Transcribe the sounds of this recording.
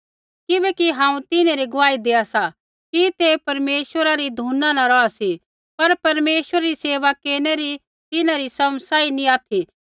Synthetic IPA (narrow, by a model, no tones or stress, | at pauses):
kɪbɛːkiɦãːũt̪ɪneɾiɡʊʋaːid̪eːasa | kit̪epɐɾmeːʃʋəɾaɾid̪ʱuːnãnaɾɔasi | pɐɾpɐɾmeːʃʋəɾaɾiseːʋakeːneɾi | t̪ɪnãɾisɐmsaːinĩaːt̪ʰi